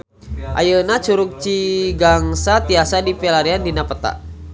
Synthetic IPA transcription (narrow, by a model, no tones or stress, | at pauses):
ʔa̰jənat͡ʃuɾuk̚t͡ʃiɡaŋsat̪iasadipɛlaɾiandinapət̪a̰ʔ